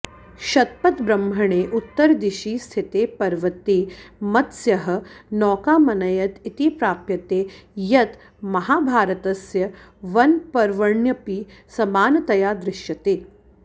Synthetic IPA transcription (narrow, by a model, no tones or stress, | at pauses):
ʃɐt̪̚pɐt̪bɾɐmbʱɐɳ̃eːʔut̪ːəɾd̪iʃiːst̪ʰit̪eːpɐɾʋɐt̪iːmɐt̪sjɐɦɐ̆nɔːkaːmɐnɐjɐt̪it̪iːpɾaːpjɐt̪eːjɐt̪ | mɐɦaːbʱaːɾət̪ɐsjɐʋɐnpɐɾʋɐɳjɐpiːsɐmaːnɐt̪ɐjaːd̪ɾɪʃjɐt̪eː